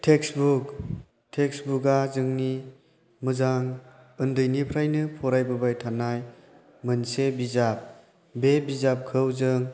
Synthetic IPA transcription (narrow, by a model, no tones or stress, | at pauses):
tʰeksbuk | tʰeksbuɡazɯŋni | mɯzaŋ | ɯndɯjnipʰɾajnɯpʰɔɾajbɯbajtʰanaj | mɯnsebizap̚ | bebizap̚kʰɯwzɯŋ